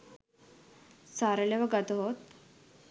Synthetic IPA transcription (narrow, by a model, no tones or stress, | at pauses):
saɾəleʋaɡat̪ɦot̪̚